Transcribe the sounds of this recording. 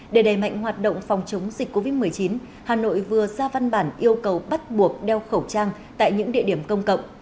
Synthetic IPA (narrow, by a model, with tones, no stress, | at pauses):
ɗe˧˩ɗa˨˩jma̰˧˨jŋ̟ɦwaː˨˩t̚ɗə̰˧˨wŋ͡mfɔ˨˩wŋ͡mt͡ɕə˨˦wŋ͡mzi˨˩k̟̚ʲkːo˧vi˦˥t̚mɨ˨˩əjt͡ɕi˨˦n | haː˨˩no̰˧˨jvɨ˨˩əzaː˧va˧nɓaː˧˩nʔi˧əwkə˨˩wɓa˦˥t̚ɓu˨˩ək̚ɗɛ˧wxə˧˩wt͡ɕaː˧ŋ | t̪a̰ː˧˨jɲɨ̰˧˥ŋɗḭ˧˨əɗi˧˩əmkə˧wŋ͡mkə̰˧˨wŋ͡mʔ